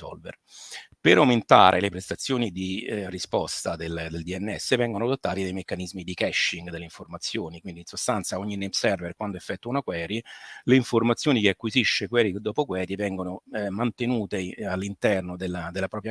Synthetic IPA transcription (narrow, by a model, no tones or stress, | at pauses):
ɔ̰lvḛr | peɾawment̪a̰ːɾʔḛlepɾest̪at̪sːjoːnid̪irispɔst̪ad̪eld̪eld̪iɛnːɛ̰sːevɛŋɡonoawd̪ot̪ːaːt̪id̪ejmekːanizmid̪ikɛʃːiŋɡd̪eleiɱformat̪sːjoːnikwind̪insost̪ant̪saoɲːinɛpsɛrverkwand̪oefːɛt̪ːuaunakwɛːɾileiɱformat̪sːjoːnikeakːwiziʃːekwɛːɾikd̪ɔːpokwɛːɾjivɛŋɡonomant̪enuːt̪ealːint̪ɛrnod̪elːad̪elːapɾɔːpɾja